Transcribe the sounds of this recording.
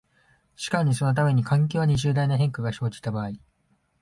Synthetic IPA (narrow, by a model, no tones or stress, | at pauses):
ɕi̥kaɲ̟iso̞no̞t̪̬ame̞ɲ̟ikʰãŋk̬ʲoːβaɲ̟iʑɨːd̪ainaɦẽ̞ŋkaɡaɕo̞ːd͡ʑi̥t̪abaːi